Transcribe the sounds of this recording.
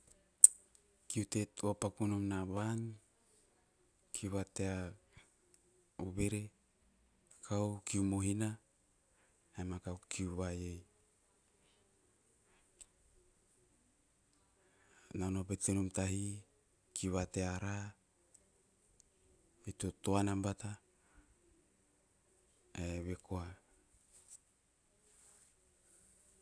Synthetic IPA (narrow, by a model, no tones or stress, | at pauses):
kiutetuapakunomnaβan | kʰiuβatea | uβeɾe | kʰawkiumoɦina | emakawkʰiuβajej | nanopetenomtahi | kiβateaɾa | etotoanambata | eβekoa